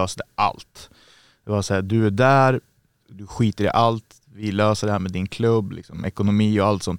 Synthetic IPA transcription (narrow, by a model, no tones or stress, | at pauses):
øːsd̪ɛʔa̰lt̪ | d̪ɛbɑːsaæːd̪ɵæɖæːɾ | d̪ɵɧiːt̪əɾɛ̰ʔalt̪ | vɪløːsəɖɛhæːɾmɛːd̪ɪnkʰlɵbːlɪ̰ksɔmʔɛkʊnʊmiːɔalt̪sɔnt̪